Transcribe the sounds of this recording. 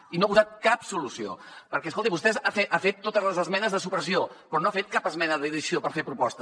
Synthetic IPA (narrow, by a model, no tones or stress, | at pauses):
inoapuzat̪̚kapsulusio̰pəɾkɛskolt̪iβust̪ɛzafeafet̪ːot̪əzləzəzmɛnəzðəsupɾəsiopɾɔnoafet̪̚kapəzmɛnəðiðisiopəɾfepɾupɔst̪ə